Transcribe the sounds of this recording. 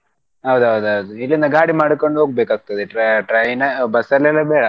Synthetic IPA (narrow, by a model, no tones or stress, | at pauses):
ɦɐwd̪uɦɐwd̪uɦɐwd̪uilːinɐɡaːɽimaːɽkoɳɖuɦoːɡ̚beːkaːɡ̚t̪ɐd̪eʈɾɐʈɾɐjnɐbɐsɐlːɛlːɐbeːɽɐ